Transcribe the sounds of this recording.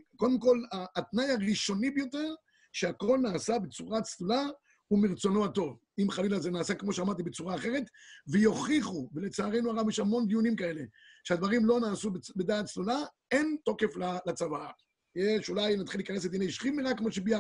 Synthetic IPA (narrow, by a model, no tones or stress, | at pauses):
ko̞d̪emko̞laːt̪najaʁiʃo̞nibejo̞te̞ʁ | ʃeako̞lnaːsabet͡suʁat͡slula | umiʁt͡so̞nohat̪o̞v | imχalilazenaːsakmo̞ʃeamaʁt̪ibet͡suʁaːχe̞ʁe̞t̪vejo̞χiχuvele̞t͡saːʁe̞jnuaʁavjeʃhamo̞nd̪ijunimkae̞le̞ | ʃead̪vaʁimlo̞naːsubbed̪aːtt͡slula | e̞nt̪o̞ke̞flalat͡savaa | jeʃulajnat̪χilːiːkanesled̪ineiʃχimeʁakːmoʃebia